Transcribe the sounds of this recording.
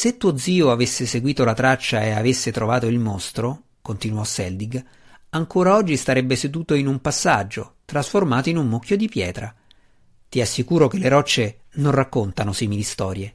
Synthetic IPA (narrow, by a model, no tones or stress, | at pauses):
set̪ːuːod̪ziːoavesːeseɡwiːt̪olat̪ɾat͡ʃːaeavesːet̪ɾovaːt̪oilmost̪ɾo | kont̪inuɔsːɛld̪iɡ | aŋkoːɾaɔd͡ʒːist̪aɾɛbːesed̪uːt̪oinumpasːad͡ʒːot̪ɾasformaːt̪oinumːok̟ːjod̪ipjɛːt̪ɾa | t̪iasːikuːɾokelːeɾɔt͡ʃːenonrakːont̪anosiːmilist̪ɔːɾje